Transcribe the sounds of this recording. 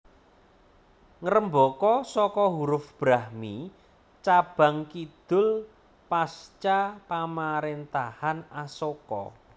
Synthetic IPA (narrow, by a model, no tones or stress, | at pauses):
ŋəɾəmbɔkɔsɔkɔɦuɾʊfb̥ɾahmi | t͡ʃab̥a̤ŋkid̪̥ʊ̤l | past͡ʃapamaɾent̪ahanasokɔ̰